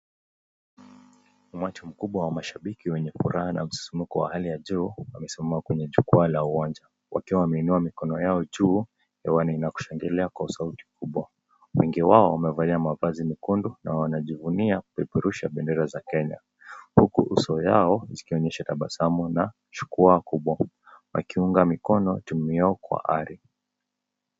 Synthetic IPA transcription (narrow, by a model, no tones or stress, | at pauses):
umat͡ʃim̩kuɓwawamaʃaɓikiwɛɲɛfṵɾahana̰m̩si̥sumikɔwa̰halijaʄuːwamɛsimamakwɛɲɛʄukualauwand͡ʒa | wa̰kiwawamɛinuamikɔnɔjaɔʄuː | hɛwaniːnaku̥ʃaŋɡɛlɛakwausauti̥m̩kuɓwa | wɛŋɡiwaɔwamɛvaliamavazimikundunawanaʄivuniaipɛɾuʃaɓɛndɛɾazakɛɲa̰ | hukuʔusɔjaɔzikiɔɲɛʃataɓasamɔna | ʃu̥kuakuɓwa | wa̰kiuŋɡamikɔnɔtumiaɔkwa̰ʔaɾi